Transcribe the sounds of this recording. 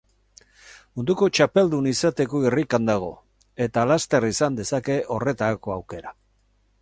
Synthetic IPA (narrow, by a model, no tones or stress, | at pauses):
mund̪uko̞t͡ʃape̞ld̪unisat̪e̞ko̞irikand̪aɣ̞o̞̰ | e̞t̪alast̪e̞risand̪e̞sake̞ʔo̞re̞t̪aako̞awke̞ɾa